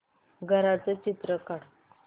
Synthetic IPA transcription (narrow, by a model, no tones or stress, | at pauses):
ɡʱəɾat͡sət͡ɕit̪ɾəkaɽ